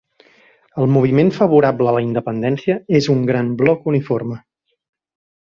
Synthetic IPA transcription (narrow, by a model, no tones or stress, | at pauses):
əlˠmuβ̞imenfəβ̞uɾabləːləind̪əpənd̪ɛnsiəezuŋɡɾamblɔkuniformə